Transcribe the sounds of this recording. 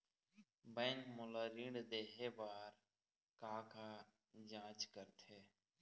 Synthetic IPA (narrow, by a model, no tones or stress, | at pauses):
bẽːŋkmolaɾĩɳɖd̪eːɦebaːɾ | kaːka | d͡ʒãːt͡ʃkəɾt̪ʰeː